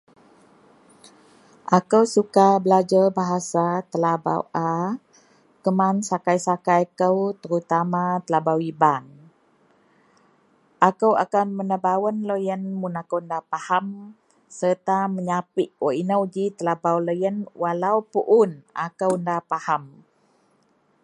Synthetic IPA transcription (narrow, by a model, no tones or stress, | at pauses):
ʔakəwsukabəlad͡ʒəbaɦasat̪əlaba̰wʔa | kəmansakajsakajkəwt̪əɾut̪amat̪əlabawiban | ʔakəwa̰kanmənəbawənləjənmunakəwndapaham | sərt̪aməɲapiʔwəʔinəwd͡ʒit̪əlabawləjənwalawpuʔunʔa̰kəwəndapaham